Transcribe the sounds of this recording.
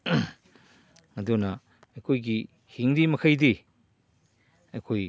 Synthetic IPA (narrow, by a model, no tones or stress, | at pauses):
ŋɐdunɐ | ɐjkʰojɡi | hiŋɾimɐkʰɐjdi | ɐjkʰoj